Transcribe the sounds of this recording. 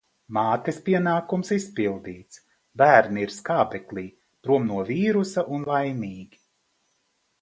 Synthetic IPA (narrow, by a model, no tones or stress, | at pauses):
maːt̪espiɛnaːkumsispilˠd̪iːt̪s | bæːɾniiɾskaːbɛklʲˠiː | pɾuɔmnuɔviːɾusaʔunlˠajmiːɡʲi